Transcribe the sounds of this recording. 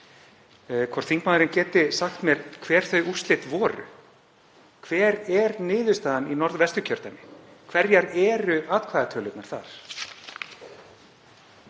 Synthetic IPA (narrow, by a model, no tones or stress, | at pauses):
kʰvɔɾ̥t̪θiŋkmaːðʏɾɪncɛːt̪ɪsaxt̪mjɛɾ̥kʰvɛːɾ̥θœɥjʔurst̪lɪt̪vɔːɾʏ̰ | kʰvɛːɾɛɾnɪːðʏst̪aːðaninɔɾðvɛst̪ʏcʰœɾ̥t̪anɪ | kʰvɛɾjaɾɛːɾʏaːt̪kʰvaːðat̪ʰœːlʏt̪naɾ̥θa̰ɾ̥